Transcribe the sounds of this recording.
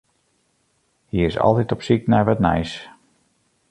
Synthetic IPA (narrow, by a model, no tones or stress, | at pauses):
hiɪsɔ̰lˠtɛtɔpsiknɛjʋatnɛ̰js